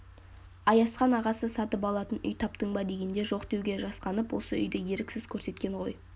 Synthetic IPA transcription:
ɑjɑsqɑnɑʁɑsəsɑt̪əp̬ɑlˠɑt̪ənʏ̰jt̪ʰɑp̚t̪əɴbɑd̪e̞ɡʲe̞nd̪e̞ʒo̞qd̪e̞wɡʲe̞ʒɑsqɑnəpwo̞̰səʏ̰jd̪ɪje̞ɾɪkʲsɪzkʲʰɵɾse̞t̪kʲe̞ɴʁo̞j

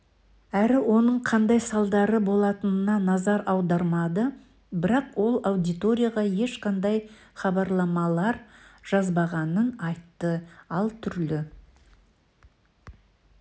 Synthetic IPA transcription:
æɾɪwo̞nəɴqʰɑnd̪ɑjsɑlˠd̪ɑɾəbo̞lˠɑt̪ənənɑnɑzɑɾʔɑwd̪ɑɾmɑd̪ə | bɪɾɑqwo̞lˠawd̪ijt̪o̞ɾʲijaʁɑje̞ʃqɑnd̪ɑj | χɑbɑɾlˠɑmɑlˠɑɾʒ̥ɑzbɑʁɑnənɑjt̪ːəɑlˠt̪ʰʏɾlɪ

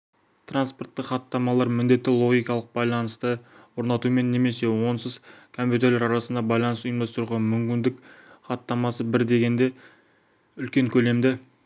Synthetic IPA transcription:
t̪ʰranspo̞rt̪ːɪχɑt̪ːɑmɑlˠɑɾmɪnd̪e̞t̪ːɪlˠo̞ɡʲijkɑlˠəq̚bɑjlˠɑnəst̪əwo̞ɾnɑt̪ume̞nːe̞me̞se̞wo̞nsəzkʰo̞mpʲjut̪eɾlʲeɾɑɾɑsənd̪ɑbɑjlˠɑnəsʊjəmd̪ɑst̪əɾuʁɑnmʏmkʲɪnd̪ɪkχɑt̪ːɑmɑsəbɪɾd̪e̞ɡʲe̞nd̪e̞ | ʏlkʲe̞ŋkʲʰɵle̞md̪ɪ

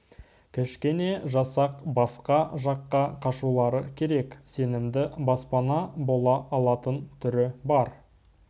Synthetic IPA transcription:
kʲʰɪʃkʲene̞ʒɑsɑqbɑsqɑʒɑqːɑqʰɑʃulˠɑɾəkʲʰe̞ɾe̞kse̞nɪmd̪ɪbɑspɑnɑbo̞lˠɑʔɑlˠɑt̪ənt̪ʰʏɾɪbɑɾ

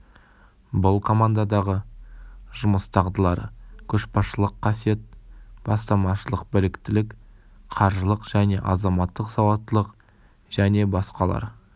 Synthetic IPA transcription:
bʊlˠkʰo̞mand̪ad̪ɑʁə | ʒ̥ʊməst̪ʰɑʁd̪əlˠɑɾkʲʰɵʃpɑʃəlˠəqʰːɑsije̞t̪̚b̥ɑst̪ɑmɑʃəlˠəq̚bɪlɪkt̪ɪlɪk | qʰɑɾʒəlˠəqʒ̥æne̞ʔɑzɑmɑt̪ːəqsɑwɑt̪ːəlˠəq | ʒ̥æne̞bɑsqɑlˠɑ̰ɾ

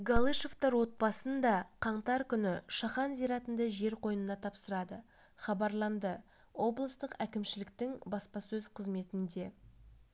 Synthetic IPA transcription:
ɡalˠiʃo̞ft̪ɑɾwo̞t̪̚bɑsənd̪ɑqʰɑɴt̪ɑɾkʲʰʏnɪʃɑχɑnzijɾɑt̪ənd̪əʒe̞ɾqʰo̞jənənɑt̪ʰɑpsəɾɑd̪ə | χɑbɑɾlˠɑnd̪ə | wʔo̞blˠəst̪əqækʲɪmʃɪlɪkt̪ɪŋbɑspɑsɵz̥qʰəzme̞t̪ɪnd̪e̞

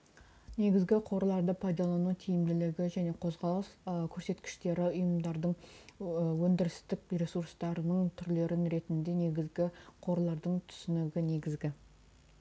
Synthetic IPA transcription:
ne̞ɡʲɪzɡʲɪqʰo̞ɾlˠɑɾd̪əpʰɑjd̪ɑlˠɑnut̪ʰijɪmd̪ɪlɪɡʲɪʒæne̞qʰo̞zʁɑlˠəskʲʰɵɾse̞t̪kʲɪ̥ʃt̪e̞ɾɪʊjəmd̪ɑɾd̪əɴ | wɵnd̪ɪɾɪst̪ɪk̚biɾe̞suɾst̪ɑɾənəɴt̪ʰʏɾle̞ɾɪnɾe̞t̪ɪnd̪e̞ne̞ɡʲɪzɡʲɪqʰo̞ɾlˠɑɾd̪əɴt̪ʰʏ̥sɪnɪɡʲɪne̞ɡʲɪzɡʲɪ

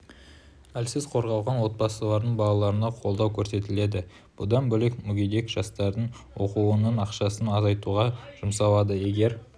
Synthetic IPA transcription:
ælsɪzqʰo̞ɾʁɑwʁɑnwo̞t̪̚bɑsəlˠɑɾd̪əɴbɑlˠɑlˠɑɾənɑqʰo̞lˠd̪ɑwkʲʰɵɾse̞t̪ɪle̞d̪ɪ | b̥ʊd̪ɑnbɵle̞kmʏɡʲejd̪e̞kʒ̥ɑst̪ɑɾd̪əɴ | wo̞quwənəɴɑqʃɑsənɑzɑjt̪uʁɑʒ̥ʊmsɑwˠɑd̪əje̞ɡʲe̞ɾ

